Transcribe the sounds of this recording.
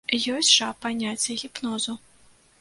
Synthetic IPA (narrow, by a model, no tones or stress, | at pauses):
jɔsʲʂapanʲat͡sʲːɛɣʲipnɔzu